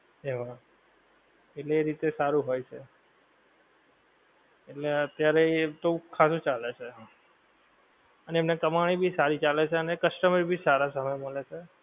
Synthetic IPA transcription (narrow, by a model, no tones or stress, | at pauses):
ɦeʋa | eʈleːɾit̪esaɾũɦojt͡ʃʰe | eʈleət̪jaɾet̪okʰasũt͡ʃalet͡ʃʰe | əneemnekəmaɽ̃ibʱisaɾit͡ʃalet͡ʃʰeənekəsʈəmɾbʱisaɾasəməjməlet͡ʃʰe